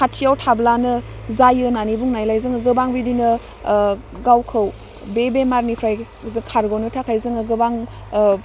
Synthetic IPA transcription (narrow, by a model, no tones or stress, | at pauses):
kʰatʰiawtʰablanɯ | zajɯnanibuŋnajlajzɯŋɯɡɯbaŋbidinɯ | ɡawkʰɯw | bebemaɾnipʰɾaj | zɯkʰaɾɡonɯtʰakʰajzɯŋɯɡɯbaŋ